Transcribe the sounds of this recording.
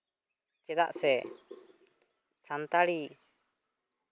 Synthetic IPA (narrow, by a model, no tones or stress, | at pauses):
t͡ʃɛd̪a̰ʔsɛ | sant̪aɽi